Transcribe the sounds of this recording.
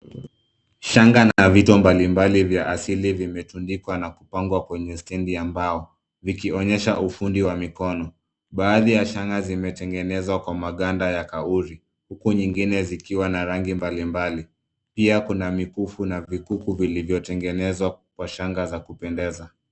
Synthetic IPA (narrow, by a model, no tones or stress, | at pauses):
ʃaŋɡanavitɔmbalimbalivjaʔasilivimɛtundikwanakupaŋɡwakwɛɲɛstɛndiambaɔ | vikiɔɲɛʃaʔufundiwamikɔnɔ | ɓaːðijaʃaŋɡazimɛtɛŋɡɛnɛzwakwamaɠandajakauɾi | hukuɲiŋɡinɛzikiwanaɾaŋɡimbalimbali | piakunamikufunavikukuvilivjɔtɛŋɡɛnɛzwakwaʃaŋɡazakupɛndɛza